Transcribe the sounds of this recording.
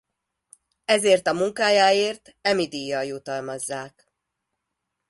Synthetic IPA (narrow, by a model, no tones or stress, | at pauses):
ɛzeːrt̪ɒmuŋkaːjaːeːrt̪ | ɛmid̪iːjːɒjut̪ɒlmɒzːaːk